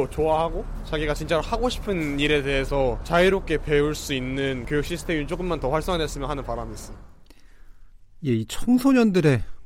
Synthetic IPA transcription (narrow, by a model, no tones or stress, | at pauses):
ot͡ɕoahaɡo | t͡ɕaɡiɡat͡ɕint͡ɕ͈aɾhaɡoɕʰi̥pʰɯniɾe̞de̞ɦesʰʌt͡ɕaiɾok͈e̞pe̞uɭs͈uinːɯnkjojukɕ͈isʰɯ̥tʰemjunt͡ɕ͈oɡ͈ɯnmantʌɸwaɭs͈ʌŋadwes͈ɯmjʌnɦanɯnpaɾamiis͈ɯ | je̞it͡ɕʰʌŋsʰoɲʌndɯɾe̞